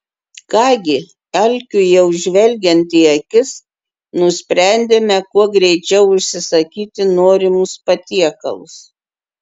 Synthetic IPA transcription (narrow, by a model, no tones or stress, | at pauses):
kɑːɡʲɪ | ɛlʲkʲʊjɛʊʒʲʋʲɛlʲɡʲɛnt̪ʲiːɐkʲɪs | nʊsʲpʲɾʲæˑnʲd̪ʲemʲɛkuɔɡɾʲɛɪt͡ʃʲɛʊʊʃʲsʲɪsɐkʲiːt̪ʲɪnoːɾʲɪmʊspɐt̪ʲiɛkɐlˠʊs